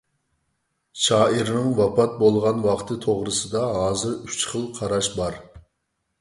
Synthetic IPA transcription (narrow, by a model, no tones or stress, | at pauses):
ʃɑːʔiɾnɪŋwɑpɑt̪̚bolˠʁɑnwɑχt̪ʰɨt̪ʰoʁɾɨsɨd̪ɑɦɑːzɨɾyt͡ʃχəlˠqʰɑɾɑʃbɑɾ